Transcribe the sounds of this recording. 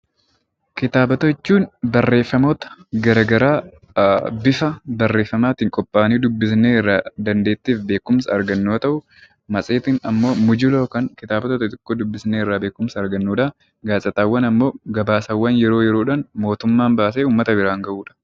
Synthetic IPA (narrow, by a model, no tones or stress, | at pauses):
kɪt̪aːbɐt̪oɪt͡ʃːuːnbɐrːe̞ːfːɐmoːt̪ɐ̥ɡɐɾɐɡɐɾaː | bɪfɐbɐrːe̞ːfːɐmaːt̪iːŋkʼɔpʼːaːniːd̪ʊbːɪsneːɪrːaːd̪ɐnd̪e̞ːt̪ːiːfbe̞ːkʊmsɐɐɾɡɐnːoːt̪ɐʔʊ | mɐsʼeːt̪inɐmːo̞ːmʊd͡ʒɪloːkɐŋkɪt̪aːbɐt̪ot̪ɐt̪ɪkːoːd̪ʊbːɪsneːɪrːaːbe̞ːkʊmsɐɐɾɡɐnːuːᶑɐ | ɡaːsʼɐt̪aːwːɐnɐmːo̞ːɡɐbaːsɐwːɐnjɛɾo̞ːjɛɾo̞ːᶑɐnmo̞ːt̪ʊmːaːnbaːs̬eːuːmːɐt̪ɐbɪɾaːŋɡɐʔuːᶑɐ̥